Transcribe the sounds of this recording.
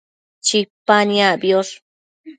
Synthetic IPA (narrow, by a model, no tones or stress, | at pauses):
t͡ʃipanabjoɾ